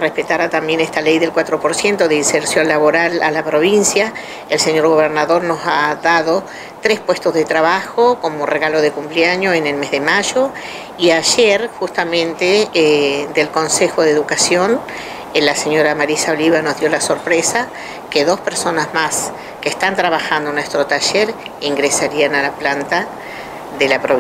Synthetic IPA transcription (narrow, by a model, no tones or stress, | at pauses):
rehpet̪aɾat̪ambje̞nest̪alejðe̞lkwat̪ɾo̞po̞ɾsje̞nt̪o̞ðeinseɾsjo̞nlaβo̞ɾala̰lapɾo̞β̞insja | elseɲo̞ɾɣo̞β̞eɾnaðo̞ɾno̞saðaðo̞ | t̪ɾespwe̞st̪ozðet̪ɾaβaxoko̞moreɣalo̞ðekumpleaɲoenelme̞zðemaʒo | iaʒeɾxust̪amẽ̞nt̪e | d̪e̞lko̞nsexo̞ðeðukasjo̞n | laseɲo̞ɾamaɾisao̞liβano̞zðjo̞laso̞ɾpɾesa | keðo̞speɾso̞nazmas | keːst̪ant̪ɾaβaxand̪onwest̪ɾo̞t̪aʒeɾ | iŋɡɾesaɾianalaplant̪a | ðelapɾo